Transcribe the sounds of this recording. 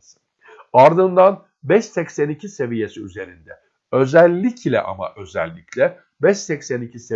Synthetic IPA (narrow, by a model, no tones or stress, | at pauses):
aɾd̪ɯnd̪an | bɛʃsɛcsænicʰise̞vije̞siyze̞ɾind̪ɛ | ø̞zælʲːicʰlʲɛ̰ʔa̰ma̰ʔø̞zæ̰lʲːicʰlʲɛ | bɛʃsɛcsænicʰise